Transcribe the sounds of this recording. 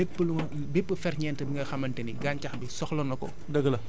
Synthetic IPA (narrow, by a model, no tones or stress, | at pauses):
bepːluɐ | bepːəfɛrɲɛːntɐbiŋɡɐxɐmɐntɛniɡancɐxbisɔxlɔnɐkɔ̰ | dɐɡɐlɐ